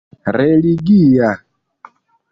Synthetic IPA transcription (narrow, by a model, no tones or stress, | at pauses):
ɾɛliɡija